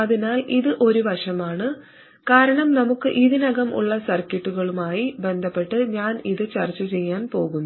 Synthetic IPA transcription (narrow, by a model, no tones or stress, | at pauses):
ɐðinaːliðɨʔo̞ɾuʋɐʂɐmaːɳɨ | kaːɾɐɳɐmnɐmukːɨʔiðinɐɣɐmʔṵɭːɐsɐrkeʈːuɣɐɭumaːjibe̞nd̪ʱɐpːe̞ʈːɨɲaːniðɨt͡ɕɐrt͡ɕːɐt͡ɕe̞jːaːnpo̞ːɣunː